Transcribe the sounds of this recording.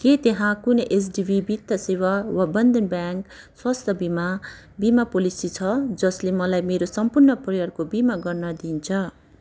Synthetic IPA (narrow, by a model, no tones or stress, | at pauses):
ket̪eɦãkunʌʔes̬ɖibʱibit̪ːʌsewawabʌnd̪ʱʌnbjaŋk | swast̪ʰʌbima | bimapolisit͡sʰʌd͡zʌslemʌlajmeɾosʌmpurnʌprʌjʌrkobimaɡʌrnʌd̪int͡sʰʌ